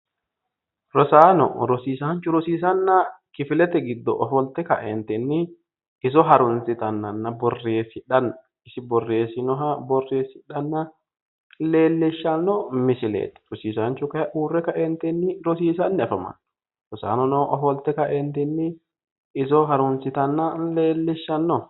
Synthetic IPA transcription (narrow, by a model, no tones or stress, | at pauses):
ɾɔsaːnɔ̰ɾɔsiːsaːɲt͡ʃʊɾɔsiːsɐnːakɪfɪlɛt̪ɛɡɪd̪ːɔ̰ʔɔfɔlt̪ɛkɐʔɛnt̪ɛnːɪ | ɪs̬ɔɦɐɾʊnsɪt̪ɐnːɐnːɐbɔrːeːshɪᶑɐnɐ | ɪsɪbɔrːeːsɪnɔɦabɔrːeːsɪᶑɐnːɐ | leːlːɪʃːɐnːɔmɪsɪlḛːt̪ɛ̥ɾɔsiːsant͡ʃʊkɐʔuːrːɛkɐʔɛnt̪ɛnːɪɾɔsiːsɐnːɪɐfɐma̰n | ɾɔsa̰ːnɔnɔʔɔfɔlt̪ɛkɐʔɛnt̪ɛnːɪ | ɪs̬ɔɦɐɾʊnsɪt̪ɐnːaleːlːɪʃːɐnːɔ